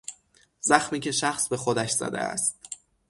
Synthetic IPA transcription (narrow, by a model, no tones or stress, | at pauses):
z̥æxmiːcʰe̞ʃæxsbe̞xod̪æʃz̥æ̰d̪ḛæ̰st̪